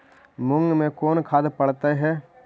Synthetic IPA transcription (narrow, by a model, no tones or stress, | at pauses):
mʊŋɡmẽkoːnkʰaːd̪pɐɽt̪eɦɛː